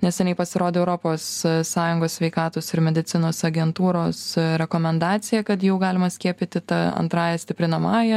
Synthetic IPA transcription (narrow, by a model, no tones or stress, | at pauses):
nʲɛsjʲɪnʲɛɪpɐsʲɪɾoːd̪ʲeːɛʊɾoːpoːsssɑːjʊŋɡoːsʲsʲʋʲɛɪkɑːt̪oːsɪɾmʲɛd̪ʲɪt̪sʲɪnoːsɐɡʲɛnt̪uːɾoːsɾʲɛkoːmʲɛnd̪ɑːt̪sʲɪjɛkɐt̪jɛʊɡɑːlʲɪmɐsʲkʲiɛpʲɪt̪ʲɪt̪ɐɐ̰nt̪ɾɑːjɛsʲt̪ʲɪpʲɾʲɪnɐmɑːjɛ